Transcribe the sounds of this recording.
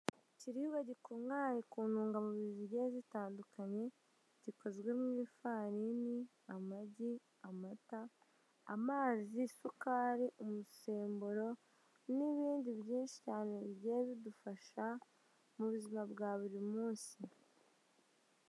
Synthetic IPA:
ciɾihuɡaɟikuŋaːjekuːnuːŋɡamuβiβiɟeːzitaːndukaɲe̞ | ɟ̥iko̞zɡwe̞mwiːfaːɾini | amaɟi | amata̰ː | maːzisukaːɾiʔumuse̞ːmboɾo̞ | niβiːndiβɟiːnʃi̥caːneiɟeːβidufaʃa | muβuzimabɡaːβuɾimuːnsi

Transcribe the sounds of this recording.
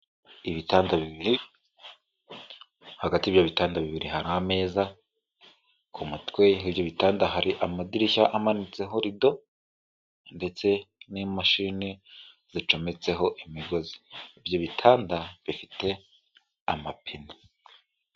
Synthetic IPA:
iβitaːndaβiβiɾi | haɡatiːβjoβitaːndaβiβiɾiɦaɾaame̞ːza | kʰumutwe̞ibjo̞βitaːndaɦaɾiʔamadiɾiçaʔamanit͡se̞ɦo̞ɾido̞ | nde̞t͡se̞nimaʃini | z̥it͡ʃo̞me̞t͡se̞ɦo̞ʔimiɡo̞zi̥ibɟo̞βitʰaːndaβifite̞ | amapʰini

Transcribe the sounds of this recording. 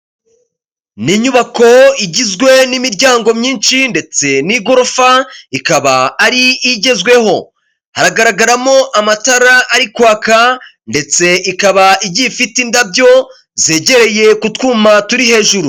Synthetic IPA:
niɲuβako̞iɟizɡwe̞nimiɾɟaːŋɡo̞mɲiːnʃinde̞t͡se̞niɡo̞ɾofaikaβaːɾiːɟe̞zɡwe̞ho̞ | haɾaɡaɾaɡaɾamo̞ʔamataɾaʔːɾikwaːka | nde̞t͡se̞ʔikaβaiɟifitindabɟo̞ | ze̞ːɟe̞ɾe̞je̞kutkuːmatuɾihe̞ːʒuɾu

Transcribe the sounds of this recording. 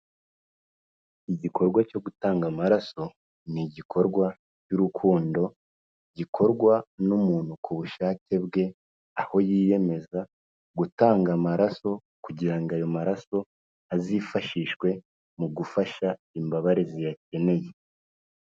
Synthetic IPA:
iɟikʰo̞ɾɡwaco̞ɡutaːŋɡamaɾaso̞ | niɟikʰo̞ɾɡwa | cuɾukʰuːndo̞ | ɟikʰo̞ɾɡwanumuːn̥hukʰuβuʃaːce̞bɡe̞ | aho̞jiːje̞me̞za | ɡutaːŋɡamaɾaso̞ | kuɟiɾaŋɡajo̞maɾaso̞ | azifaʃiʃkwe̞ | muɡufaʃa | imbaβaɾezijace̞ne̞je̞

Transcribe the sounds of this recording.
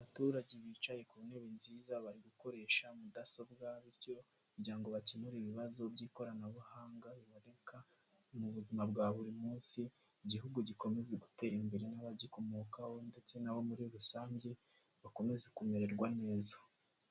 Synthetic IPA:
aβatuːɾaɟeβiːt͡ʃaje̞kuune̞βenziːzaβaɾiɡuko̞ɾe̞ʃamudaso̞bɡaβiɾco̞ | ɾɟiaŋɡo̞βacemuɾiβiβazo̞bɟiːko̞ɾanaβuhaːŋɡaβiβaɾeka | muβuzimabɡaːβuɾimuːnsiː | ɟiɦuɡuɟiko̞me̞zeɡute̞ɾimbeɾenaβaɟiko̞moːkaho̞nde̞t͡se̞naβo̞muɾiɾusaːɲɟe̞ | βako̞me̞zekume̞ɾe̞ɾɡwane̞ːza

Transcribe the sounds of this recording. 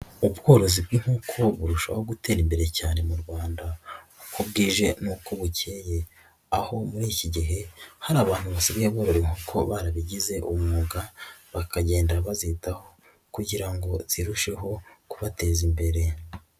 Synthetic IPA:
ubɡo̞ːɾo̞zibɡiŋ̥uːkʰo̞βuɾuʃaβaho̞ɡute̞ːɾimbe̞ɾe̞caːne̞muɾɡwaːndakʰub̚ɡiːʒe̞nuːkoβuce̞ːje̞ | aho̞muɾiːciɟiɦe̞haɾaːβaːn̥huβasiβijaβɡoːɾoɾiŋ̥uːkʰo̞βaɾaβiɟize̞ʔumumuɡaβakaɟe̞ːndaaβazitaho̞ | kuɟiɾaŋɡo̞z̥iɾuʃe̞ɦo̞kuβate̞ːzimbe̞ɾe̞

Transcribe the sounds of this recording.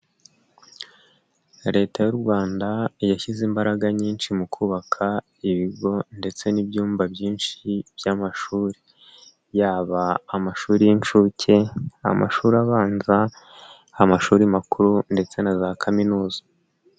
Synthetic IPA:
ɾe̞ːtajuɾɡwaːndajaçizimbaɾaɡaɲiːnʃimukʰuːβakʰa | iβiɡo̞nde̞t͡se̞nibjuːmvabjiːnʃib̥jamaʃuːɾi | jaːβaːmaʃuːɾijint͡ʃuːcʰe̞a̰ma̰ʃuːɾaβaːnza | amaʃuːɾimakuɾunde̞t͡se̞nazaːkʰaminuːzḁ

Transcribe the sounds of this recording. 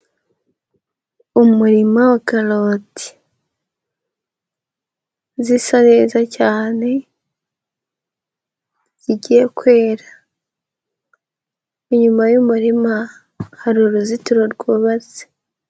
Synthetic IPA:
umuɾimawakaloːti̥ | zisaɾe̞ːzacaːne̞ | ɟiɟijekwe̞ːɾa | iɲumajumuɾima | haɾuɾuzituɾoɾɡuːβaze̥

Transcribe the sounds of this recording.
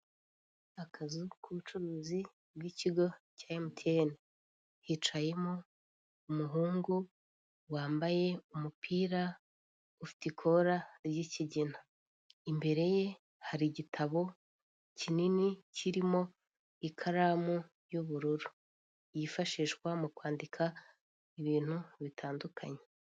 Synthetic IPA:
akʰazukʰuβut͡ʃuɾuːzi | bɡiːciɡo̞caːjemutʰene | hit͡ʃaje̞mo | umuɦuːŋɡu | waːmbaje̞umupʰiːɾa | ufi̥tikʰo̞ɾaɾɟiciɟina | imbe̞ɾe̞je̞ | haɾiɟitʰaβo̞ | cininiciɾimo̞ | ikʰaɾamu | juβuɾuɾu | jifaʃiːʃkwamukwaːndikʰa | iβiːn̥huβitʰaːndukʰaɲe

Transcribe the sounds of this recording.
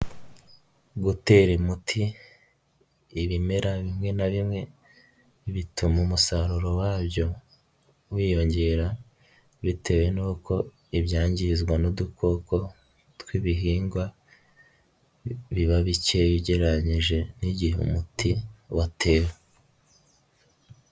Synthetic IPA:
ɡute̞ɾimutʰi | βime̞ɾaβimŋe̞naβimŋe̞ | βitʰumumusaɾuɾo̞waːbjo̞ | wiːjo̞ɲɟe̞ɾa | βitʰe̞we̞nuːko̞ | iβjaːɲɟizɡwanudukʰo̞ko̞ | twiːβiɦiːŋɡwa | βiβaβiceβiɟe̞ɾaɲiʒe̞niɟiɦṵmutʰiwatʰe̞ːwe

